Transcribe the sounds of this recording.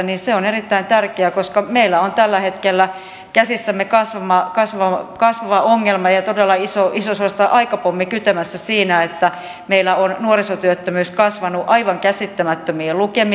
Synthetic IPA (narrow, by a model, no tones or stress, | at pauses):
niːnseonerit̪ːæint̪ærkeækoskɑmeilːæont̪ælːæhet̪kelːæ | kæsisːæmːekɑsʋɑmɑkɑsʋɑkɑsʋɑʋɑoŋːelmɑjɑt̪odelːɑisoʔisoseɑst̪ɑʔɑikɑpomːikyt̪æmæsːæsiːnæet̪ːæ | meilːˑæonnuorisot̪yøt̪ːømyːskɑsʋɑnuʔɑiʋɑŋkæsit̪ːæmæt̪ːømiːlukemi